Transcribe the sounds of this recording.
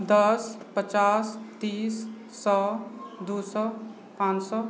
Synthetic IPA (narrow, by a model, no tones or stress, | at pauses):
d̪ʌspət͡ʃast̪isː | ɔd̪usɔ | pãsɔ